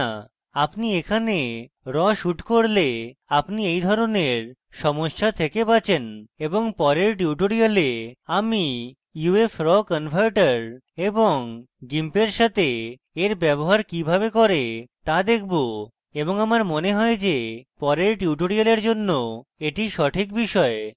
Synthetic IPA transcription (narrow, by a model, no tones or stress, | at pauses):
apniekʰane | ɾɔʃuʈkoɾleapniejd̪ʱɔɾoneɾ | ʃɔmoʃːat̪ʰekepat͡ɕʰeneboŋpɔɾeɾʈuʈoɾialeami | juefɾɔkənfaɾʈaɾ | eboŋ | ɡimpeɾʃat̪e | eɾbɛboɦaɾkibʱabekɔɾet̪ad̪ekʰbo | eboŋamaɾmoneɦɔed͡ʑepɔɾeɾʈiuʈoɾialeɾd͡ʑonːoeʈiʃɔʈʰikbiʃɔe